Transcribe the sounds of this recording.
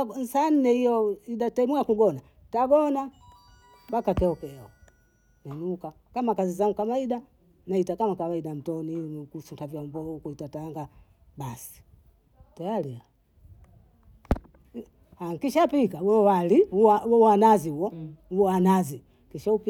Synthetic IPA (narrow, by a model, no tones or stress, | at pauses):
n̩san̩nɛijɔiɗatɛmuakuɡɔna | taɡɔna | bakakɛɔkɛɔ | nɛnuka | kamakazizaŋɡukamaiɗa | naitakamakawaiɗam̩tɔnikusutavjaɔmbɔukuitataŋɡa | basi̥ | tajalia | haŋkiʃapikawɛɔwaliuawɛwanaziuwɔuɔanazi | kiʃaupi